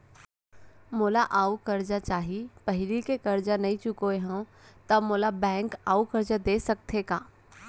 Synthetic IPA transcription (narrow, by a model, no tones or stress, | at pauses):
moːlaʔaːukɐɾd͡ʒat͡ʃaːɦipɐɦɪlikekɐɾd͡ʒanɐĩt͡ʃʊkoeɦãt̪ɐmoːlabɛ̃ːŋkaːukɐɾd͡ʒad̪eːsɐk̚t̪ʰekaː